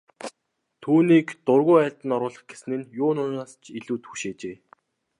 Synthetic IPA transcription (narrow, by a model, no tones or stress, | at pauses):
t̪ʰuːniːkt̪ʊrɣʊːæːɬʲt̪ə̆nɔɾʊːɮə̆χɡ̥esɘ̆nɘ̆njʊːnʊnaːst͡ɕʰiɮuːt̪xuʃeːt͡ɕeː